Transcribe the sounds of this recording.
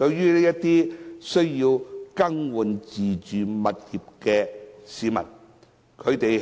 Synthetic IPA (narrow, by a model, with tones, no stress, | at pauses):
t̪ɵ˧ɥɥyː˥ne˥jɐ˥tt̪iː˥sɵ˥ɥjiː˧wkɐ˥ŋwu˨nt͡siː˨t͡ʃyː˨˩mɐ˨t̚jiː˨p̚kɛː˧siː˨˧mɐ̰˨˩n | kʰɵ˨˧ɥt̪e˨j